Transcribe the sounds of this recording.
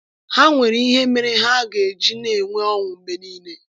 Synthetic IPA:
ha˦ŋʷe˨ɾi˦ɦe˦me˦ɾɪ˦ɦa˦ɡe˨d͡ʒi˦ne˨ŋʷe˦ɔ˦ŋʷʊ˨m̩˦me˦niː˦ne˦

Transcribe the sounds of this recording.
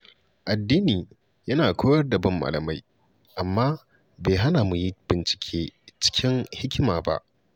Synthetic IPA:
ʔa˨dːiː˦niː˨ | jɐ˦naː˨kʷʰoː˦jɐ˦rdɐ˨bɐ˦mːa̰ː˨lɐ˨ma˦j | ʔa˨mːaː˦ | beː˨ɦa˦na˨mu˨ji˦b̥ɪ˨nt͡ʃɪ̥˨kʲʰeː˦t͡ʃɪ̥˦kʲɪ˦ŋhɪ˦kʲɪ˦maː˨ba̰˦ʔ

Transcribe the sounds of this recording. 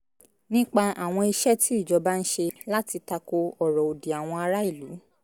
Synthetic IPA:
nĩ˦k͡pa˧a˨w̃ɔ̃˧i˧ʃɛ˦tʰi˦i˦˨d͡ʒɔ˨˧ba˦n̩˦ʃe˧la˦ti˧ta˧ko˧ɔ˦˨ɾɔ˨o˨di˨a˨w̃ɔ̃˧a˧ɾa˦i˦˨lu˨˦

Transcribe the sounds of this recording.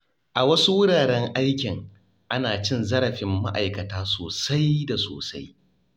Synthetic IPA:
ʔa˨wɐ˦su˦wʊ˦ɽaː˨ɽɛ˦ŋʔa˦jkʲɪ˨ŋ | ʔa˦naː˨t͡ʃɪ˦nzɐ˦ɾɐ˨ɸɪ˨mːa̰˦ʔa̰˨jkɐ˨taː˦soː˨sa˦jda˨so̰ː˨sa̰˦j

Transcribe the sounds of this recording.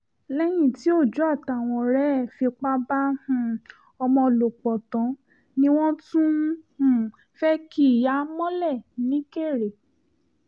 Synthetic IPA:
lɛ˦j̃ĩ˦˨ti˨˦o˦˨d͡ʒu˦a˦˨ta˨w̃ɔ̃˧ɾɛ˦˨fi˧k͡pa˦ba˦hũ˨ | ɔ˧mɔ̃˧lo˨k͡pɔ˨tɔ̃˨˦ | nĩ˦w̃ɔ̃˦tũ˦hũ˦˨ | fɛ˦ki˦˨ja˦mɔ̃˦lɛ˦˨nĩ˨˦ke˦˨ɾe˨

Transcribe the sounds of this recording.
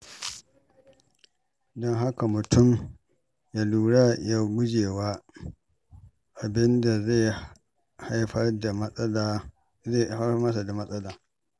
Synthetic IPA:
dɔ˦ŋɦa˦ka˨mʊ˨tʰʊ˦˨m | ja˦luː˨ɽa˦ja˦ɡʷʊ˦d͡ʒeː˨waː˦ | ʔa˨bɪ˦nda˨ze˦˨ | ha˦jɸɐ˦rda˨m˦ | e˦˨ha˦mɐ˦sa˨da˨mɐ˦sʼɐ˦laː˨

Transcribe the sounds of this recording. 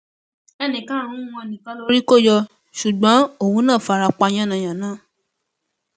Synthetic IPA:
ɛ˧nĩ˨kã˨˦˨ɾ̃ũ˦w̃ɔ̃˧˨nĩ˨kã˨˦lo˧˦ɾi˦ko˦˨jɔ˧ | ʃu˨ɡ͡bã˨˦o˦˨wũ˨˦nã˦˨fa˧ɾa˧k͡pa˧j̃ã˦˨nã˨j̃ã˨nãː˦˨

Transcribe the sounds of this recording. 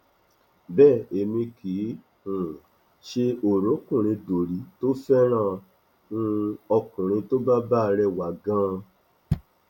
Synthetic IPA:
bɛː˦˨e˨mĩ˧kʰi˨˦ | hũ˨ | ʃe˧o˨ɾõ˨˦kũ˦˨ɾ̃ĩ˧do˨ɾi˨˦to˦fɛ˦ɾ̃ãː˦˨ | nũ˧ɔ˧kũ˨ɾ̃ĩ˧to˦ba˦ba˦˧ɾɛ˧wa˨ɡã˦

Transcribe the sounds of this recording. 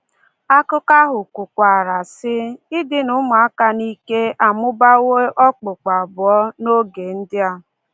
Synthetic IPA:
a˦kʊ˦ka˦ɦʊ˨ku˨kʷa˨ɾa˨sɪ˦ɪ˦dɪ˦nʊ˨˦m˨a˦ka˦ni˦ke˦ʔa˨mʊ˦ba˦we˦ʔɔ˦k͡pʊ˨k͡pa˨bʊ˨ɔ˦no˦ɡe˨n̩˦dɪ˦a˨

